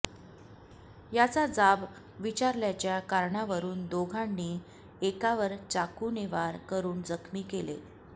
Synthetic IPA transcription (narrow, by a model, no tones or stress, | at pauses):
jat͡sad͡zab | ʋit͡ɕaɾljat͡ɕjakaɾɳaʋəɾuːnd̪oɡʱanːiː | ekaʋəɾt͡sakuneʋaɾkəɾuːnd͡zəkʰmiːkelḛ